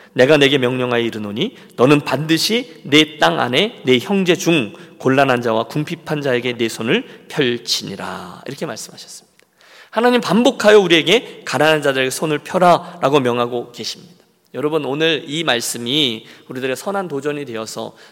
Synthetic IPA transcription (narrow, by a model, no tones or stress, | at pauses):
ne̞ɡane̞ɡe̞mjʌŋɲʌŋɦajiɾɯnoɲi | nʌnɯnpandɯɕʰine̞t͈aŋa̰ne̞ne̞çjʌŋd͡ʑe̞d͡ʑuŋkoɭːanɦand͡ʑawakuŋpʰipʰand͡ʑae̞ɡe̞ne̞sʰonɯɭpʰjʌɭt͡ɕʰiɲḭɾa̰ḭɾʌkʰe̞maɭs͈ɯmɦaɕʰʌ̥s͈ɯ̥mɲid̥ḁ | hanaɲimpambokʰajʌuɾie̞ɡe̞kananɦand͡ʑadɯɾeɡesʰonɯɭpʰjʌɾaɾaɡomjʌŋɦaɡoke̞ɕʰimɲid̥ḁ | jʌɾʌbɯnonɯɾimaɭs͈ɯmiuɾidɯɾe̞sʰʌnantod͡ʑʌɲidwe̞ʌsʰʌ̰